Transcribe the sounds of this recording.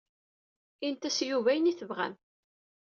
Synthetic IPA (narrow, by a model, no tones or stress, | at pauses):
int̪æsjuvæjəniθəvʁæ̰n